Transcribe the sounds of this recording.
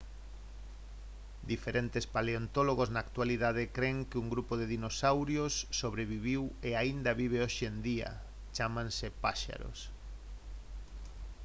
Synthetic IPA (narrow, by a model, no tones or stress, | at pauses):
d̪ifeɾʔent̪espaleont̪oloɣoznaːkt̪waliðaðɪkɾeŋkɪuŋɡɾupoðɪðinosawɾjosːoβɾeβiβiweaind̪aβiβ̞eoʃend̪ia̰ | t͡ʃamãnsɪpaʃa̰ɾo̰s